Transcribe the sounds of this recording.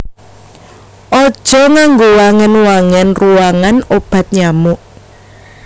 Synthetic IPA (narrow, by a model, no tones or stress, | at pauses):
ʔɔd̥ʒ̥ɔ̤ŋaŋɡowaŋɛnwaŋɛnruwaŋanob̥ä̤t̪̚ɲamuʔ